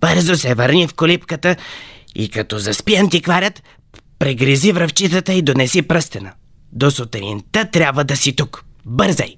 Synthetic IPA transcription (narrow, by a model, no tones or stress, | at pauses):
b̥əɾzosɛvəɾnʲifkolipkət̪əḭkɐt̪ɔzɐspiɐnt̪ikvaɾʲət̪ | pɾɛɡɾizivɾɐft͡ʃit̪ət̪əid̪onɛsipɾəst̪ɛnə | d̪osot̪ɛɾḭnt̪ət̪ɾʲjabvəd̪ɐsit̪ukbəɾzɛ̰j